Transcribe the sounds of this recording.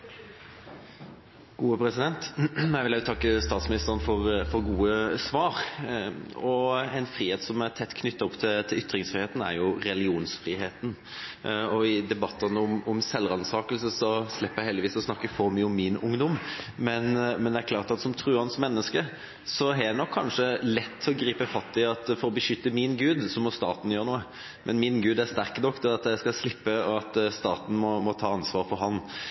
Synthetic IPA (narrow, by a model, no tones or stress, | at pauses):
ɡ̥uːəpʰɾɛsɪd̪ɛnt̪næɪʋɪljæʊt̪ʰɑkːəst̪ɑːt̪smɪnɪst̪əɾənfɔɾfɔɾɡuːəsʋɑːɾ | ɔɛɪnfɾiːheːt̪sɔmæɾt̪ʰɛt̪ːkʰnʏt̪ːɑɔpt̪ʰɪt̪ʰɪlʏt̪ːɾɪŋsfɾiheːt̪ən̩æ̰ɾjʊɾɛlɪuːnsfɾiːheːt̪n̩ | ɔɪd̪ɛbɑt̪ːɑnʊmɔmsɛlːɾɑnsɑːkəlsəsɔslɛpːəjæɪhɛld̪ɪʋiːsɔsnɑkːəfɔɾmyːəɔmːɪnʊŋd̪ɔmmɛnmɛnd̪ɛæɾkʰlɑːɾt̪ɑt̪sɔmt̪ʰɾʉːɾhɑnsmɛnːəskə | sɔædd̪ɛnɔkʰːɑnʂəlɛt̪ʰːɔɡɾiːpəfɑt̪ːɪɑt̪fɔɾɔbəʃʏt̪ːəmɪnɡʉːd̪sɔmɔst̪ɑ̰ːt̪n̩jøːɾənuːə | mʔɛnmɪnɡʉːd̪æɾst̪æɾknɔkːd̪ɛɑt̪jæɪskɑslɪpːəɔɑt̪st̪ɑːt̪n̩mɔmɔt̪ʰɑːɑnsʋɑːɾfɔɾɦɑn